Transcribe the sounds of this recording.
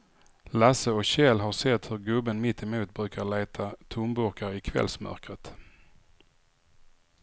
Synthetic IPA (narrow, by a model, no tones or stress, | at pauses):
lasəɔkɕɛlɦasɛt̪ːhɵɾɡɵbənmɪt̪ʰːɛmuːt̪̚bɾʉ̟ːkaɭeːt̪ʰat̪ʰʊmbɵɾkaɾɪkʰvɛ̰lsmœ̰ɾkɾət̪